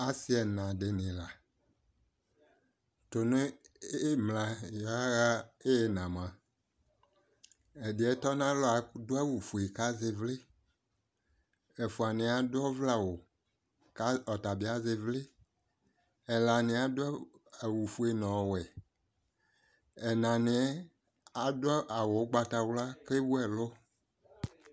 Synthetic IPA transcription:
a˦si˦ɛ˨nã˨ɖe˨nĩ˨la˨ | to˨nẽ˦ | mlã˨jɔ˨˦a˦ɣa˦e˦e˨nã˨mã˨ | e˨di˨˦ɛ˨t̪ɔ˦nã˦lɔ˦a˨do˦ɛ˦wu˨fu˨e˨ka˦ze˨vle˦ | e˨fu˨a˨nɪ̃˨˦a˨dɔ˦vla˦˨wo˨ | ka˦ɔ˨t̪a˨bi˨a˦ze˨vlɪ˦ | ɛ˨la˨nɪ̃˨a˨do˦˨ | wu˨fu˨e˨nɔ̃˨wɛ˨ | ɛ˨nã˨nɪ̃˨˦ɛ˦ | a˨dʊ˦ɔ˦ʔa˨wo˨˦ɡ͡ba˨t̪a˨wla˦kle˦wu˦ɛ˨lo˦

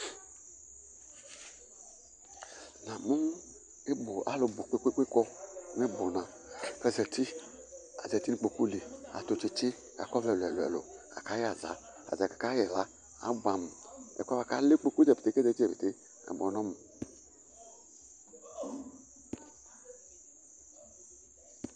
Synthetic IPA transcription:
na˨mu˦m˦ | e˦bo˨ʔa̰˨˦lo˨bo˨k͡pe˦kʷe˦kʷe˦kɔ˦ne˦bo˨na˨ | kɛ˦˨zɛ˨ti˦ | a̰˨zɛ˨ti˦ni˨k͡po˧ku˦li˨a̰˨to˨t͡ʃi˦t͡ʃɪ˦ | a̰˨kɔ˦vɛ˨lɛ˨lo˨ɛ̰˨lo̰˨ | a̰˨ka˦ja˨za̰˨ | a̰˨za˨ka˨ka˦jɛ˨la˨˦ | a̰˨˦bʷa˨mu˨ɛ̰˨kʷa˦a˨ka˦le˦k͡po˦ku˦zɛ˨pe˨te˨˦kɛ˦zɛ˧˦t͡ʃɛ˦˨pe˨te˦ | a̰˨bɔ˨nɔ˦mu˨

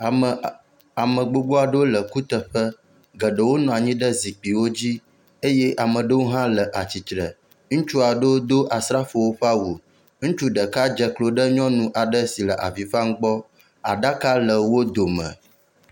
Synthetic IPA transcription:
a˨mə̃˨ɡ͡bo˦ɡ͡bo˦a˨ɖə˦wo˦lə˨ku˦t̪ə˨ɸə˦ | ɡə˨ɖə˨wo˦nɔ̃˨a˨ɲĩ˦ɖə˦zi˨k͡pi˨wo˦d͡ʑi˦ | e˦jɛ˦ʔa˨mə̃˨ɖə˦wo˦ɦã˦lə˨ʔa˨t͡ɕi˨t̪ɾə˨ | ŋ̩̃˦t͡ʃu˦a˨ɖə˦wo˦d̪o˦ʔa˨sɾa˦fo˨wo˦ɸa˦wu˨ | ŋ̩̃˦t͡ʃu˦ɖə˨ka˦d͡ʒə˨klo˨ɖə˦ɲɔ̃˦nũ˨ʔa˨ɖə˦si˨lə˨ʔa̰˨vi˨ɸa˦ŋ̩˦ɡ͡bɔ˦ | a̰˨ɖa˦ka˦lə˨wo˦d̪o˨mə̰̃˨

